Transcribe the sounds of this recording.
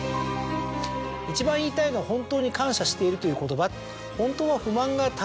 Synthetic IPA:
it͡ɕibãɰ̃iːt̪ainoahõ̞nt̪o̞ːɲ̟ikãɰ̃ɕaɕi̥t̪e̞iɾɯ̟t̪o̞jɯ̟ːko̞t̪o̞bat̪ | hõ̞nt̪o̞ːβaɸɯ̟mãŋɡat̪a

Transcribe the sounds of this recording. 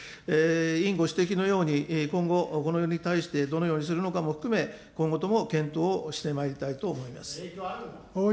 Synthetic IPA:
eːĩŋɡo̞ɕi̥t̪e̞k̬ʲino̞jo̞ːɲ̟ikõ̞ŋɡo̞ko̞nojoːɲ̟it̪aiɕi̥t̪e̞d̪o̞no̞jo̞ːɲ̟is̬ɨɾɯ̟no̞kamo̞ɸɯ̥kɯ̟me̞ | kõ̞ŋɡo̞t̪o̞mo̞kẽ̞nt̪o̞ːɕi̥t̪e̞maeɾʲit̪ait̪o̞ːmo̞ima̰sɨ̥ | o

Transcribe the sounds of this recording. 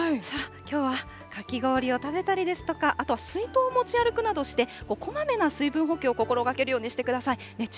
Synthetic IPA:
sakʲo̞ːβa | kakʲiɡo̞ːɾʲio̞t̪abe̞t̪aɾʲid̪e̞sɨ̥t̪o̞kaʔat̪o̞βasɨit̪o̞ːmo̞t͡ɕiaɾɯ̟kɯ̟nad̪o̞ɕi̥t̪e̞ko̞ko̞mame̞nasɨibɯ̟̃ɰ̃ɦo̞kʲeo̞ko̞ko̞ɾo̞ɡake̞ɾɯ̟jo̞ːɲ̟iɕi̥t̪e̞kɯ̟d̪asai | ne̞

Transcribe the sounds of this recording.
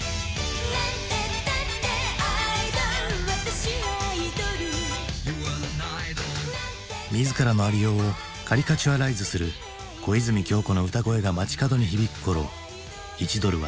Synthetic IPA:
t̪ | ad̪ead̪aβat̪aɕiaid̪oɾɯ | mʲizɨkaɾano̞aɾʲijo̞ː | kʰaɾʲikat͡ɕiβaɾaizɨsɨɾɯ̟ | ko̞izɨmʲikʲo̞ːko̞no̞ɯ̟t̪aɡo̞e̞ɡamat͡ɕi̥kad̪o̞ɲ̟içibʲikɯ̟̥ko̞ɾo̞̰ | it͡ɕid̪o̞ɾɯ̟βa̰

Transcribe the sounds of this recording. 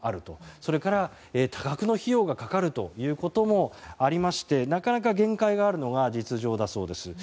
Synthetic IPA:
aɾɯ̟t̪o̞so̞ɾe̞kaɾa | eːt̪ʰaɡakɯ̟no̞çijo̞ːɡakakaɾɯ̟t̪o̞̰jɯ̟ːko̞t̪o̞mo̞aɾʲimaɕi̥t̪e̞nakanakaɡẽ̞ŋkaiɡaːɾɯ̟no̞ɡad͡ʑit͡sɨʑo̞ːd̪aso̞ːd̪e̞sɨ

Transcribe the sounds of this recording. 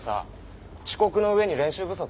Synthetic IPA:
sa̰ | t͡ɕi̥ko̞kɯ̟no̞ɯ̟e̞ɲ̟iɾẽ̞ɰ̃ɕɨːbɯ̟so̞k

